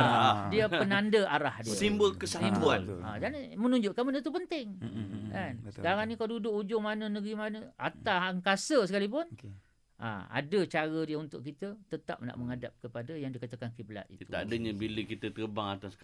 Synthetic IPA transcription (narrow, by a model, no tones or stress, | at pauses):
adiapənandəʔaɾahdisimbəlkəsaɦibuana̰d͡ʒanmənuɲd͡ʒʊʔkanmanət̪upənt̪ɪŋkanskaɾaŋnĩkaladudʊʔud͡ʒʊʔmanənəɡɾimanəat̪aaŋkasəsəkalip̬ʊn | ʔa̰a̰dət͡ʃaɾədiəunt̪ʊ̰ʔkit̪ət̪ət̪a̰p̚na̰ʔməŋadap̚kəpadajaŋdikat̪akankibla̰t̪̚ḭtt̪uaadəɲabiləkit̪ət̪əəbaŋat̪ask